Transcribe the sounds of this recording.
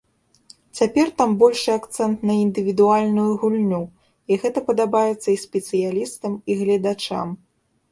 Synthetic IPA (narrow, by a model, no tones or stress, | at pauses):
t͡sʲapʲɛrt̪ambɔlʲʂɨakt̪sɛnt̪nɐind̪ɨvʲid̪ualʲnujuɣulʲnʲu | iɣɛt̪ɐpɐd̪abajɛt̪sːɐisʲpʲɛt̪sɨjalʲist̪ɐmiɣlʲɐd̪at͡ʂa̰m